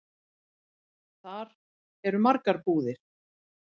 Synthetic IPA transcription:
θaɾ | ɛɾʏmaɾkaɾpuːðɪɾ̥

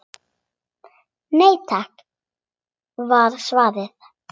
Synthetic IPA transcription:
nejt̪ʰak | vaɾsvaːðɪð̥

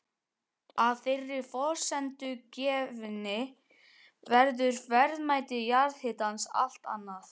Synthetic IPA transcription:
aðfɪrːɪɾ̥fɔ̥sɛnt̪ʏcɛːvnɪ | vɛɾðʏɾ̥vɛɾðmaːjt̪ɪjaɾðhɪt̪ansa̰l̥t̪a̰nːaθ

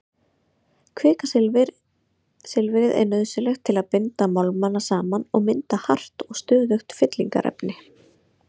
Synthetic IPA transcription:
kʰvɛːkas | sɪlvɪɾɪðɛ̰ɾnœðsʏlɛxt̪ʰːɪlaðpɪnt̪amawlmanːasaːmanɔɣmɪnt̪ahar̥t̪ɔɣst̪ʏːðʏxt̪fɪt̪liŋka̰ɾʔɛ̰pnɪ

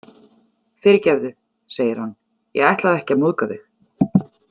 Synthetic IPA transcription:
fɪɾɪcɛvðʏ | seːjɪɾ̥hanː | jɛ̰ɣajht̪laðɛhcɪamuðkaðɪ

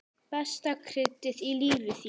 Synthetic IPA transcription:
pɛst̪akʰɾɪt̪ːɪðiliːvɪθi

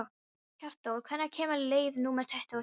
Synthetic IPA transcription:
kar̥t̪ɔwðkʰvɛnakʰeːmalejðnuːmɛr̥t̪ʰɛht̪ɔ

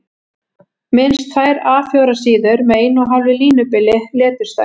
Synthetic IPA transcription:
mɪnst̪θajɾaːfjɔːwɾasiːðʏɾmɛejnɔɦavlɪliːnʏpɪlɪlɛːt̪ʏɾ̥t̪a̰j

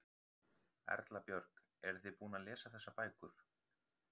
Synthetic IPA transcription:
ɛ̰ɾt̪lapjœɾk | ɛɾθɪpuːnalɛːsaθɛsːapaːjkʏɾ̥

